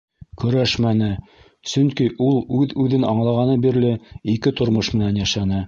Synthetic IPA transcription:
kɵ̆ɾæʃmænɘ | sɵŋkiʔulˠʉðʉðɘnɑɴlˠɑʁɑnɤbiɾlɘikɘt̪ŏɾmoʃmɘ̆nænjæʃænɘ

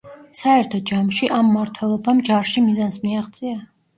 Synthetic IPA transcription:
saɛɾt̪ʰɔd͡ʒamʃiʔamːaɾt̪ʰwɛlˠɔbamd͡ʒaɾʃimizansmiaʁt̪sʼia

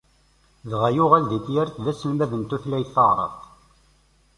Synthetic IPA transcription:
ðʁæjʊʁælðit̪jæɾθðæsːənmæðənt̪uθlæjθəʁɾˤə̰ft̪

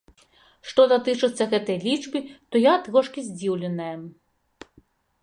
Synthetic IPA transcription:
ʂt̪ɔd̪at̪ɨt͡ʂɨt̪sʲːɐɣɛt̪ɐjlʲit͡ʂbʲit̪ɔjat̪ɣɔʂkʲizʲd͡zʲiwlʲɛnɐjɐ

